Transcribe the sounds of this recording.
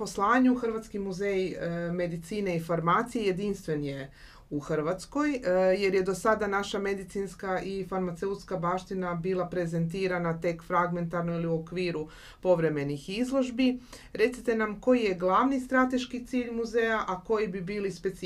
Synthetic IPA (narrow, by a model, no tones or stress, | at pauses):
po̞slˠaːɲuxr̩ʋat̪skimuzejime̞d̪it̪siːne̞ifoɾmaːt̪sijeje̞d̪inst̪ʋe̞nje | uxr̩ʋat̪sko̞jje̞ɾje̞d̪o̞sad̪anaʃame̞d̪it̪siːnskaʔifaɾmat̪seut̪skabaːʃt̪inabiːlˠapɾe̞ze̞nt̪iːɾanat̪e̞kfɾaɡme̞nt̪aɾnoiliuo̞kʋiːɾu | po̞ʋɾe̞me̞nixizlˠo̞ʒbi | ɾe̞t̪sit̪e̞namko̞jije̞ɡlˠaʋnist̪ɾat̪e̞ʃkit̪siːʎmuzeːjaʔako̞jibibiːlispe̞t̪s